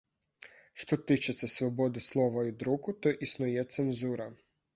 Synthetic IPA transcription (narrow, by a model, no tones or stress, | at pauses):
ʃt̪ɔt̪it͡ʃɛt̪sʲɛsʋɔbɔd̪ɪslˠɔʋɐid̪ɾukʊt̪ɔʔisnujɛt̪sɛnzuɾa